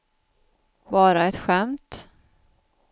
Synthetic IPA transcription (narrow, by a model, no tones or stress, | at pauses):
bɑːɾaɛt̪ɧɛmt̪